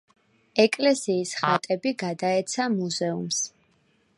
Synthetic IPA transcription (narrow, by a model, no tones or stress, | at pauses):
ɛkʼlɛsiːsχat̪ʼɛbiɡad̪aɛt̪sʰamuzɛṵms